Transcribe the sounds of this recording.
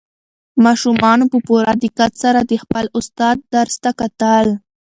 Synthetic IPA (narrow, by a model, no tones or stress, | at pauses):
mɑʃumɑnopəpuɾad̪ɪkat̪saɾad̪əxpəlʊst̪ɑd̪̚ːaɾst̪akat̪əl